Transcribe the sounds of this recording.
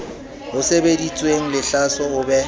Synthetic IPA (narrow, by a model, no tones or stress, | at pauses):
hʊsebedit͡sʼweŋ̩lɪɬasɔʊbɛ